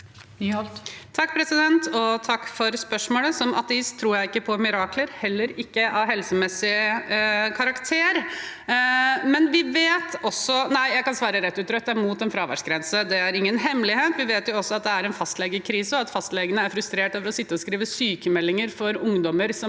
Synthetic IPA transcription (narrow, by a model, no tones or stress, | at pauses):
t̪ʰɑkːpʰɾɛsɪd̪ɛnt̪ʰɔt̪ʰɑkːfɔɾspœʂmoːləsɔmɑ̰t̪əɪst̪ʰːɾuːɾjæɪɪkːəpʰɔmɪɾɑːkʰləɾhɛlːəɾɪkːəʔɑʋɦɛlsəmɛsːɪ | kʰɑɾɑkt̪ʰeːɾ | mɛnʋɪʋeːt̪ɔsɔnæɪjæɪkɑnsʋɑːɾəɾɛt̪ːʉːt̪ɾœt̪ːəmuːt̪ɛnfɾɑːʋæ̰ɖʂɡɾɛnsəd̪ɛæɾɪŋːənɦɛmlɪheːt̪ʋɪʋeːt̪jʊɔsːɔɑt̪̚d̪ɛæɾɛnfɑst̪lɛɡəkʰɾiːsəɔɑt̪fɑst̪lɛɡənəæɾfɾʉst̪ɾeːʈøːʋəɾɔsɪt̪ːəɔskɾiːʋəsyːkəmɛlːɪŋəɾfɔɾʊŋd̪ɔməɾsɔ